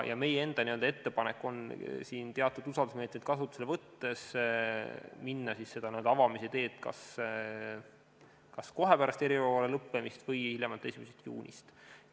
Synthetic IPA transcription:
jʔɑ̰me̞jee̞nd̪̥ɑnyøld̪ɑe̞t̪ːe̞pɑnekːˑo̞nsiːnt̪eɑt̪ːˑud̪usɑld̪usme̞ːt̪med̪̥̚kɑs̬ut̪ːˑu̥selevɤt̪ːe̞s | minːɑsisːe̞d̪̥ɑnæd̪̥ɑvɑmiset̪e̞ːt̪kɑ̰s | kɑsko̞ɦe̞pæɾɑst̪e̞ɾivɑɑlelɤpːe̞mist̪vɤjhiljemɑlt̪ːe̞simeset̪jṵːnʲḭst̪

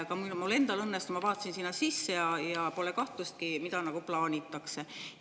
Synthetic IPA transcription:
kɑmulmule̞nd̪ɑlɤnːest̪umɑvɑːt̪ːˑɑsinsinːɑsisːejɑjɑpo̞lekɑht̪lust̪̚kimid̪ɑnɑɡ̥uplɑːnʲit̪ˑːɑkse̞

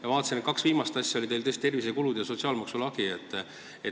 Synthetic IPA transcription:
jɑvɑːt̪ɑ̥sinet̪̚kɑksviːmɑst̪ɑsʲjɑolʲit̪e̞jlt̪ɤst̪t̪e̞rvis̬e̞kulud̪̥jɑso̞t̪siɑːlmɑksulɑɡiet̪ˑː | e

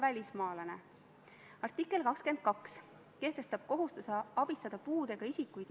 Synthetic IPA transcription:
vælʲismɑːlɑne̞ | ɑrt̪ːˑikːˑe̞lkɑkske̞nd̪̥̚kɑks | ke̞ht̪e̞st̪ɑb̥̚ko̞ɦust̪useɑb̥ist̪ɑd̪̥ɑpuːd̪̥e̞ɡ̥ɑisikːˑujd̪̥

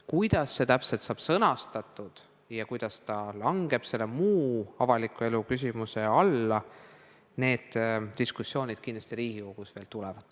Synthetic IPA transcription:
kujd̪̥ɑsːe̞t̪æpselt̪sɑːb̥sɤnɑst̪ɑt̪ːˑud̪̥ | jɑkujd̪̥ɑst̪ɑlɑŋɡ̥e̞b̥se̞lːemuːɑvɑlikːˑue̞lukys̬ʲimuse̞ɑlːɑ | ne̞ːd̪̥̚t̪iskusːjo̞ːnʲid̪̥kind̪lɑ̥st̪iɾiːɡiko̞ɡ̥usve̞ːlt̪ulɛvɑd̪̥

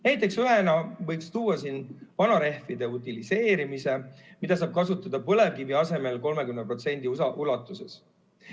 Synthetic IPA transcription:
næjt̪ːˑe̞ksyɦenɑvɤjkst̪uːwːɑsinvɑnɑɾe̞hfid̪̥e̞ut̪ˑilise̞ːɾimise̞mid̪̥ɑs̬ɑːb̥̚kɑsut̪ːˑɑd̪̥ɑpɤle̞vkiviɑse̞me̞lko̞lme̞kymnepro̞t̪se̞nʲd̪̥isɑʔulɑt̪ːˑuse̞s

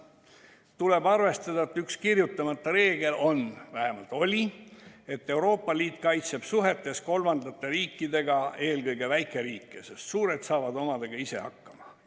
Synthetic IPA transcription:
t̪ule̞bɑrve̞st̪ɑd̪̥ɑet̪ːˑykskirjut̪ːˑɑmɑt̪ːˑɑɾe̞ːɡe̞lʔo̞nvæhe̞mɑlt̪ˑo̞lʲie̞t̪ːe̞wɾo̞ːpːˑɑliːt̪ˑkɑjt̪se̞b̥suɦe̞t̪ːˑe̞sko̞lmɑnd̪ɑt̪ːe̞ɾiːkːˑid̪e̞ɡɑe̞ːlɡɤjɡe̞væjkˑe̞ɾiːkˑːese̞st̪suːɾe̞t̪sɑːvɑd̪o̞mɑd̪e̞ɡ̥ɑise̞̰ɑ̰kːɑmɑ

